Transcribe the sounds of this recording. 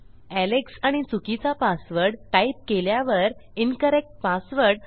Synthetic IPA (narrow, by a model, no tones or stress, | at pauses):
æleksaɽ̃it͡sukit͡sapasʋəɾɽʈaip̚keljaʋəɾinkəɾek̚ʈ̚pasʋəɾɽ